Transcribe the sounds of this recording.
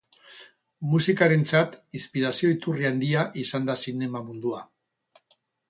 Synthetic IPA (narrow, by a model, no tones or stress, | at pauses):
musikaɾe̞nt͡sat̪inspiɾasio̞it̪uriand̪iaʔisand̪asine̞mamund̪ua